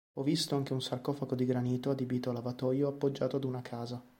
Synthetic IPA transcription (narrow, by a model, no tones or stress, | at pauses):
ɔvːist̪oaŋk̟eunsarkɔfakod̪iɡɾaniːt̪oad̪ibiːt̪oalavat̪ɔjoapːod͡ʒːaːt̪oad̪unakʰaːza